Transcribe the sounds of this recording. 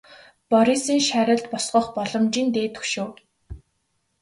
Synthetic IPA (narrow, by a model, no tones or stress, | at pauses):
pɔɾisiːŋʃæɾʲə̆ɮt̪pɔsɢɞ̆χpɔɮɞ̆mt͡ɕiːnt̪eːt̪ʰɵ̥ʃoː